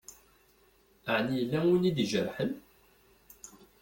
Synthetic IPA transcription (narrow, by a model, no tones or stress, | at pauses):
əʕnijlːæwunid̪ʒəɾħən